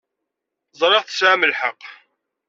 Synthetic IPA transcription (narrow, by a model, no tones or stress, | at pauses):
zˤɾˤeʁθə̥sʕaməlħəq